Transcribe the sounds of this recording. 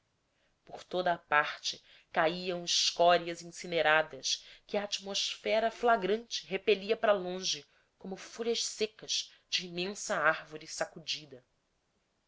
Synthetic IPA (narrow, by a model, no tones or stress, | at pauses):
poɾt̪od̪ɐːpaχt͡ʃɪ | kaiɐ̃w̃ɪʃkɔɾiɐzĩsineɾad̪ɐʃkɪaːt͡ʃimoʃfɛɾɐflaɡɾɐ̃nt͡ʃɪɦepeliɐpɾɐlõʒɪ | kõmʊfoʎʲɐʃsekɐʃ | d͡ʒiːmẽsɐaɾvoɾɪsakud͡ʒid̪ɐ